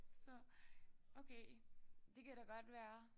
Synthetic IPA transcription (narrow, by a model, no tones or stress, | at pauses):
sɒ̽ | ʔokʰed̥e̝kʰæɾɑɡ̥ɒ̽d̥ʋæːɐ